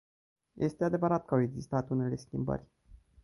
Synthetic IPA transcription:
jʔe̞st̪e̞ad̪e̞vəɾat̪̚kəawe̞ɡzist̪at̪une̞le̞skʲimbə̰rʲ

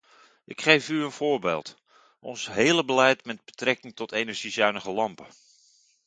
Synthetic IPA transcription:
ʔɪkχejfyənvʊːɹbḛːlˠt | ʔɔnsɦeːləbəlɛjtmɛd̚bətrɛkɪŋtɔtejnəɹʒizœɥnəχəlɑmpə

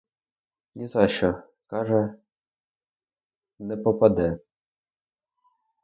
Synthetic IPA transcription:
nʲizɑɕɔ | kɑʐɛ | nɛpɔpad̪ɛ

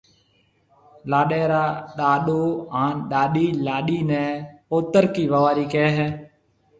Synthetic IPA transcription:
laːɗeːɾaːɗaːɗoːãːnɗaːɗiːlaːɗiːnɛ̃ːpoːt̪əɾkiːʋəʋaːɾiːkeːɦɛː

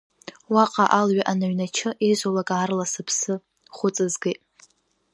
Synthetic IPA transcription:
waqʼaʔalɥaʔanaɥnat͡ʃʰɨʔezʷolakʼaːrlasɨpʰsɨ | χʷʊt͡sʼɨzɡejtʼ

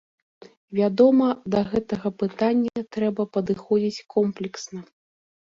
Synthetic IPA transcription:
vʲad̪ɔmɐd̪ɐɣɛt̪ɐɣɐpɨt̪anʲːɐt̪ɾɛbɐpɐd̪ɨxɔd͡zʲit͡sʲkʰɔmplʲɛksnɐ

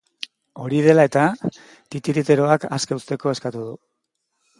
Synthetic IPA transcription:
o̞ɾið̞e̞lae̞t̪a | t̪it̪iɾit̪e̞ɾo̞akaskeust̪e̞ko̞e̞skat̪uðu

